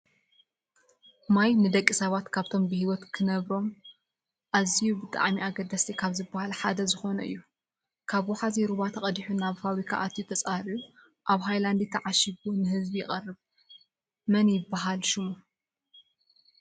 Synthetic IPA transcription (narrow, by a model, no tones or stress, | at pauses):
majnɨd̪ɐkʼːisɐβat̪kʰaβt̪ʰo̞mbɨhiwɔt̪kʰɨnɐβɾo̞m | ʔazijubɨt̪ʼa̰ʕmiaɡɐd̪ɐst̪ʰikʰaβzɨbːahalħad̪ɐzɨxo̞nɐɨ̰jːu | kʰaβwɔħaziɾuβat̪ʰɐkʼɐd̪iħunaβfaβɾikʰa̰ʔat̪ʰjut̪ʰɐt͡sʼahɾiu | ʔaβɦajland̪it̪ʰːɐʕaʃiβunɨhɨzbijɪχʼɐrːɨβ | mɐnjɪbːaɦalʃɪmu